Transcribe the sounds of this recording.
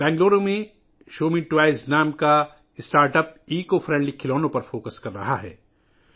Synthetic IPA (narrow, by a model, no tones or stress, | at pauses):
bɛ̃ːŋɡloːɾõmẽ | ʃoːmĩʈwaːɪznaːmka | ɪsʈaːɾʈəp̚iːkofʰɾɛ̃ːɳɖlikʰɪloːnõpɐɾfoːkəskɐɾːɐ̰ɦaɦɛ̰ː